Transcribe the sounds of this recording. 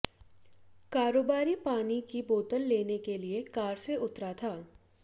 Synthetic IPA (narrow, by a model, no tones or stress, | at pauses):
kaːɾoːbaːɾipaːnikiboːt̪əlleːnekeliekaːɾseʔʊt̪ɾat̪ʰaː